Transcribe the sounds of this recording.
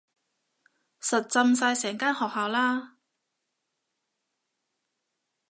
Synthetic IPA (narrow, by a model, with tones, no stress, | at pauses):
sɐ˨t̚t͡sɐ˧msaː˧jsɛː˨˩ŋkaː˥nhɔː˨k̚haː˨wlaː˥